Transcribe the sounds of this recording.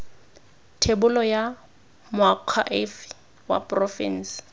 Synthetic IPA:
tʰebʊlɔja | mʊakʰaʔef | wa̰prɔfḭn̩s

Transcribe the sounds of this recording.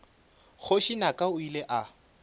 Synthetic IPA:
χʰʊʃinakʼaʊileʔa

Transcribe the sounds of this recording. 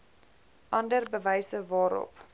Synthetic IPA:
ʔɐndərbəvɛjsəvɑːɾɔ̰p

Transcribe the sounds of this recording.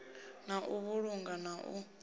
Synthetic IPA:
naʔuβuɺuŋɡanaʔṵ

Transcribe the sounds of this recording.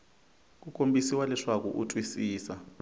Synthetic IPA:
k̬ukʼombʱisiwalɛʂak̬ɔ̰ʔutʼwisiːsa

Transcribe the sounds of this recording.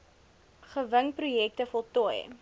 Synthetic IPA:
χəvəŋprujɛk̚təfɔlˠtɔəj

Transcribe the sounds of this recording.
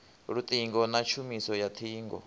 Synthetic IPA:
ɾut̪ʼiŋɡɔnat͡ʃʰumisɔjat̪ʰiːŋɡɔ̰

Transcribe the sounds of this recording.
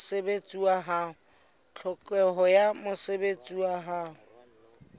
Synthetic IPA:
sebet͡sʼuaɦaːʊ | t͡ɬʰʊkʼwɛɦɔjamʊsebet͡sʼuaɦaːɦʊ

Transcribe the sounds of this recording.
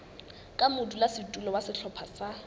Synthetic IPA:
kʼamʊdulasɪtʼulɔwasɪɬʰɔpʰasa

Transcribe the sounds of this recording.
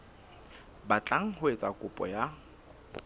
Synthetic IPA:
bat͡ɬʼaŋ̩ɦʊet͡sʼakʼʊpʼɔ̰ja

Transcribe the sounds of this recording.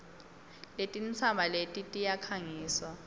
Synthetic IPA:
letʼint͡sʰambʱaletʼitʼijakʰaŋiːswa

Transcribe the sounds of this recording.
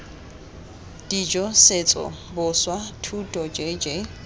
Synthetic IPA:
d̥id͡ʒɔset͡sʼɔ̰ | bʊswatʰutʼɔd͡ʒed͡ʒe

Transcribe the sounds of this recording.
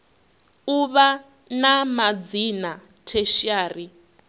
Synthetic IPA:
uβa | namad͡zina | tʰeʃiaːri

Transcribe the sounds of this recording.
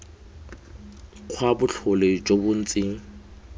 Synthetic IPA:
q͡χʰwabʊɬʰʊled͡ʒobʊn̩t͡sʼɪŋ̩

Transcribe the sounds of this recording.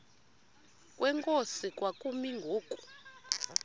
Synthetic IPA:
kʼwʔɛŋkʼosikʼwakʼumiŋɡʱoːkʼu̥

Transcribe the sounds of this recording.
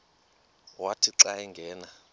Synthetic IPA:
watʰiǀajɛŋɡʱɛːna

